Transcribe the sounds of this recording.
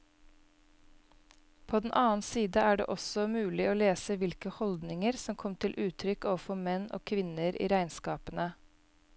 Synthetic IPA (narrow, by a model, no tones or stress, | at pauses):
pʰoːd̪ɛn̩ʔɑːn̩siːd̪əæːɖḛːʔɔsɔmʉːlɪoːleːsəʋɪlkəhɔld̪nɪŋəɾsɔmkʰɔmt̪ʰɪlʔʉːt̪ʰɾʏkoːʋəfɔmɛno̰ːkʰʋɪnəɾʔḭːɾæɪnskɑːpənə